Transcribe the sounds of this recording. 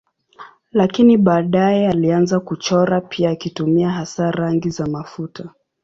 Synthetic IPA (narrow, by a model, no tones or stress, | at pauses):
lakiniɓaːɗajɛalianzakut͡ʃɔɾapʰiaːkitumiaɦasaɾaŋɡizamafutʰa